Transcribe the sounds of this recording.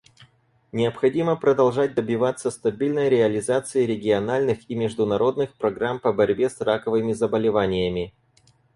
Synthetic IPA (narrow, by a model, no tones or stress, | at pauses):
nʲɪəpxɐdʲiməpɾəd̪ɐlˠʐat̚ʲd̪əbʲɪvat̪sːəst̪ɐbʲilʲnəjɾʲɪɐlʲɪzat̪sɨɪɾʲɪɡʲɪɐnalʲnɨximʲɪʐd̪ʊnɐɾo̞d̪nɨxpɾɐɡɾampəbɐɾʲbʲesrakəvɨmʲɪzəbəlʲɪvanʲɪjəmʲɪ